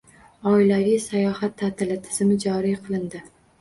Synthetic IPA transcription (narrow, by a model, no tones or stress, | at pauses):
ɒɪlavijsajɒhat̪ʰːat̪ʰɪlɪt̪ʰɪ̥z̥ɪmɪd͡ʒɒɾijqʰɨlˠɪnd̪ɪ